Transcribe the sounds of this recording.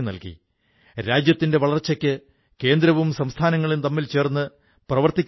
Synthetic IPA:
mnɐ̰lkḭ | ɾaːd͡ʑjɐt̪ːinde̞ʋɐɭɐrt͡ɕːɐkʲːɨ | ke̞ːnd̪ɾɐʋumsɐmst̪ʰaːnɐŋːɐɭint̪ɐmːilt͡ɕe̞ːrnːɨ | prɐʋɐrt̪ikʲː

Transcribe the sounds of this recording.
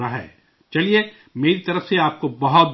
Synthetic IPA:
aɦɛ̰ː | t͡ʃɐlie | meːɾit̪ɐɾəfseaːp̚kobɐɦɔt̪̚

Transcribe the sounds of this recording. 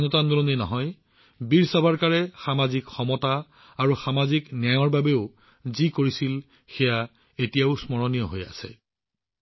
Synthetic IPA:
nɔtandulɔnenɔɦɔj | biɹsabʱaɹkaɹɛxamazikxɔmɔtaː | ɹuxamaziknaɔɹbabeʊ | zikoɹisil | xɛja | etijaʊsmɔɹɔnijɔɦoja̰sɛ̰

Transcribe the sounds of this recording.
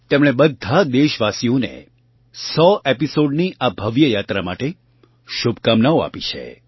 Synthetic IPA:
t̪emɽ̃ebəd̪ʱad̪eʃʋasijonḛ | sɔepisoɖniʔabʱəʋjəjat̪ɾama̰ʈe | ʃubʱkamnaoa̰pit͡ʃʰḛ

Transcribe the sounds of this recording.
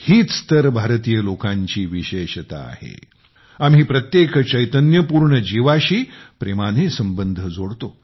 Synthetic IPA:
hiːt͡st̪əɾbʱaɾt̪iːjəlokãɲt͡ɕiːʋiɕeɕt̪a̰ːhḛ | am̤ɦiːpɾət̪jekt͡ɕəjt̪ənjəpuɾɳəd͡ʑiʋaɕiːpɾemanesəmbənd̪ʱəd͡zoɽt̪o

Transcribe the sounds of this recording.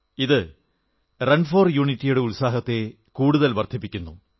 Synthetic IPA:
iðɨ | rɐnfoːrjuːɳitːijuɽe̞ulsaːɦɐt̪ːe̞ | kuːɽuðɐlʋɐrd̪ʰʱipːikʲːunːṵ

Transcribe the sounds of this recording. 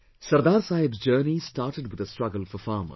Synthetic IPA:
sɐɾd̪aːɾsaːjɪbsd͡ʒəːnisʈaːɾʈəɖʋɪd̪əsʈɾɐɡəlfɔɾfaːmə̰

